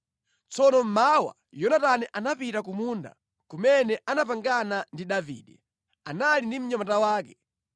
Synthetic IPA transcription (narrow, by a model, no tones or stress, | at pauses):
t͡sɔnɔm̩mawa̰ | jɔnatanɛʔanapitakumunda̰ | kumɛnɛʔanapaŋɡanandiɗavḭːɗɛ | analindim̩ɲamatawaːkɛ